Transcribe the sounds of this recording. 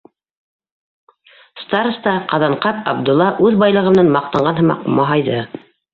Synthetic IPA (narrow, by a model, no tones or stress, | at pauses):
st̪aɾst̪ɑqɑðɑɴqɑpɑbd̪ʊ̆lˠːɑʔʉðbɑjlˠɤ̆ʁɤ̆mnɑnmɑq̚t̪ɑɴɢɑnɦɤ̆mɑ̰qmɑɦɑjðɤ